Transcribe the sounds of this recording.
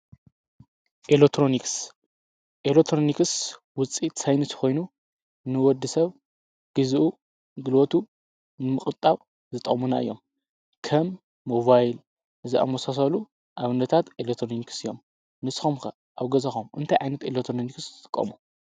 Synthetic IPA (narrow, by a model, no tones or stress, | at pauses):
ʔelek̚t̪ʰːɾoniks | ʔelek̚t̪ʰɾonikɨs | wʊt͡sʼit̪sajnɨt̪ʰxo̞jnu | nɨwɔd̪ːɨsɐβ | ɡ̥ɨzʔu | ɡɨlot̪ʰu | nɨmɨxʼɨt̪ʼːaβ | zɨt̪ʼɐ̰muna̰ɨ̰jːo̞̰m | kʰɐmː | o̞βajl | ɨziʔa̰mosas̬ɐlu | ʔaβɨnːɐt̪ʰat̪elekt̪ʰɾoniksɨijom | nɨsɨ̥xomxɐ | ʔawɡɐzɐxomɨ̰nt̪ʰajʕajnɐt̪elekt̪ʰɾoniksʼɨ̥kʼːɐ̰mu